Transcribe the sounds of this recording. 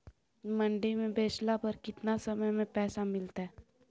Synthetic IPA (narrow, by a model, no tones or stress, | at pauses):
mə̃ɳɖemẽbeːt͡ʃlapəɾkɪt̪nasɐməjmẽpɛːsamɪlt̪aɦɛː